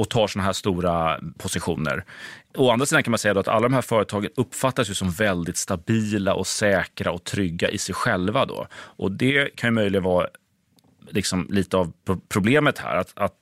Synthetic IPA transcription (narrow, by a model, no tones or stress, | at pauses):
ɔt̪ʰɑːʂɔnaɦæːʂt̪uːɾapʰɔsɪɧuːnə̰ɾɔanɾsiːd̪ãnkanmansɛjːd̪ɔat̪ʰa̰lːad̪ɔmɦæːɾfœːɾət̪ʰɑːɡənɵpːfat̪ːasjɵsɔmvɛld̪ɪt̪st̪abiːlaʔɔsɛːkɾaɔt̪ʰɾʏɡːaʔɪsɛjɧɛlvad̪ɔ̰ʔɔd̪ɛkʰanjɵmœjlɪɡənvɑː | lɪksɔmliːt̪əavʰpʰɾʊbleːmət̪hæ̰ːɾat̪at̪